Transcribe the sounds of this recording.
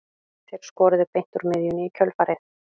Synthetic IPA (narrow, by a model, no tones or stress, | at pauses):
θɛɾ̥skɔːɾʏðʏpejn̥t̪ʊɾmɪðjʏnɪicʰœlfaːɾɪθ